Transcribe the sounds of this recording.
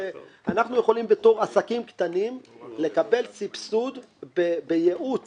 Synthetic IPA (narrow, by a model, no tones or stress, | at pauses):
eanaχnujeχo̞limbe̞t̪o̞ʁasakimkt̪animle̞kabe̞lt͡sipsud̪ | bebejeʔut͡s